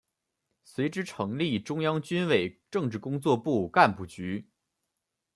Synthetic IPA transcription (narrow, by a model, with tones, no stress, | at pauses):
swe˧˥ɪʈ͡ʂɻ̩˥ʈ͡ʂʰɤ˧˥ŋli˥˩ʈ͡ʂʊ˥ŋjɑ˥ŋt͡ɕy˥nwe˨˩ɪʈ͡ʂɤ˥˧ŋʈ͡ʂɻ̩˥˩kʊ˥ŋt͡swɔ˥˧pu˥˩ka˥˧npu˥˩t͡ɕy˧˥